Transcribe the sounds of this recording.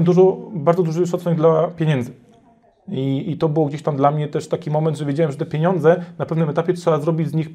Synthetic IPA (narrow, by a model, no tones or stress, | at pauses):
md̪uʐɔbaɾd̪ɔd̪uʐɨʂɔt̪sɛɡd̪lapʲjeɲɛnd̪zɘ | iːt̪ɔbɘwɔɡd͡ʑeɕt̪amd̪lamɲɛt̪ɛʂt̪akʲimɔmɛnt̪ʐɛvʲjed͡ʑawɛmʐɛt̪ɛpʲeɲɔnd̪zɛnapɛvnɘmɛt̪apʲjɛtʂɛbazɾɔbʲid͡ʑzɲix